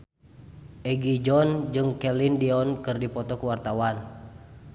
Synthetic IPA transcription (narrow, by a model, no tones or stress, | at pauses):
ʔɛɡid͡ʒɔnd͡ʒɨŋkɛlindiɔnkɨrdipɔt̪ɔkuwart̪awan